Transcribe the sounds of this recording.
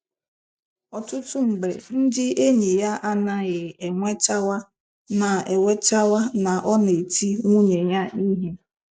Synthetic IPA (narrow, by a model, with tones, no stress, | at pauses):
ɔ˨tʊ˦tʊ˦m̩˨ɡ͡bɾḛ˨n̩˦dɪ˦ʔe˦ɲi˨ja˦ʔa˦na˦ɣɪ˨e˨ŋʷe˦t͡ʃa˦wa˦ | na˨e˨we˦t͡ʃa˦wa˦na˨ʔɔ˦ne˨tʰi˦ŋʷu˦ɲe˨ɲa˦ʔi˦ɦe˦